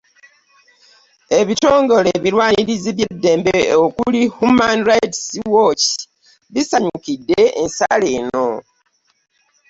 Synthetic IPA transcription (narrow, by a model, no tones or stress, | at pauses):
e̞βito̞ːŋɡo̞leβiɾwaːniɾiziβjedːe̞ːmbeokulihumanɾajtswot͡ʃ | βisaɲukidːe̞ːnsa̰leno̞